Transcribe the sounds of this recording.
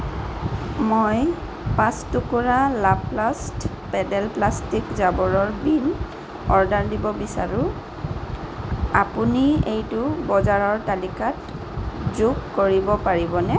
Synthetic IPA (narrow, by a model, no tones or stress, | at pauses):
moj | pãstʊkuɹalaplast | pɛdɛlplastikzabɔɹɔɹbin | ɔɹdaɹdibɔbisa̰ɹʊ | apuniejtʊbɔzaɹɔɹtalikat̚ | zukːoɹibɔpaɹibɔnɛ